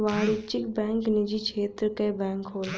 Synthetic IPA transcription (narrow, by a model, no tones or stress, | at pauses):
ʋaːɽɪt͡ʃɪkbɛ̃ːŋknid͡ʒit͡ʃʰeːt̪ɾəkebɛ̃ːŋkɦoː